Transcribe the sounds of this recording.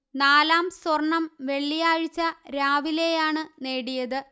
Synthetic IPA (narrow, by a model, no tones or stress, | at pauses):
naːlaːmswɐrɳːɐmʋe̞ɭːijaːɻit͡ɕːɐɾaːʋile̞jaːɳɨne̞ːɽijɐðɨ